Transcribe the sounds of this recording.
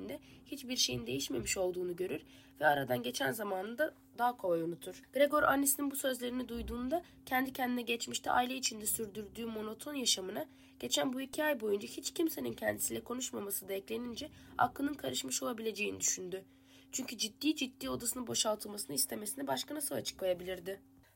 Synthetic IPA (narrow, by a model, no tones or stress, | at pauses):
nd̪ɛhit͡ʃbiɾʃe̞jind̪e̞jiʃme̞miʃo̞lˠd̪uːnuɟøɾyɾ̥ | vɛaɾad̪anɟe̞t͡ʃʰænzamaːnɯnd̪a | d̪aːkʰolˠajunut̪ʰuɾ̥ɡ̥ɾeɡo̞ɾʔa̰nːesininbusø̞zlʲe̞ɾinid̪ujd̪uːnd̪a | cʰɛnd̪icʰɛnd̪inɛɟɛt͡ʃmiʃt̪ʰɛ̰ʔa̰jilʲeit͡ʃʰind̪ɛsyɾd̪yɾd̪yːmo̞no̞t̪ʰo̞njaʃamɯna | ɟ̥e̞t͡ʃʰænbuicʰiajbo̞jund͡ʒahit͡ʃcʰimse̞nincʰɛnd̪isilʲɛkʰo̞nuʃmamasɯd̪aɛclʲe̞nind͡ʒɛ | a̰klˠɯnɯnkʰaɾɯʃmɯʃo̞lˠabilʲe̞d͡ʒe̞jinḭd̪yʃynd̪y | t͡ʃʰyɲcʰyd͡ʒid̪ːiːd͡ʒit̪ːiːo̞d̪asɯnɯbo̞ʃalˠt̪ʰɯlˠmasɯnɯist̪ʰe̞me̞sinibaʃkanasɯlˠa̰t͡ʃʰɯ̥klˠajabilʲiɾd̪ɪ